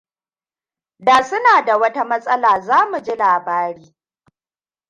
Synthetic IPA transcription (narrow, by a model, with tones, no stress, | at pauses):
daː˨sʊ˦naː˨da˨wɐ˦ta˦mɐ˦sʼɐ˦laː˨zaː˦mu˨d͡ʒi˦laː˨baː˦ɽiː˦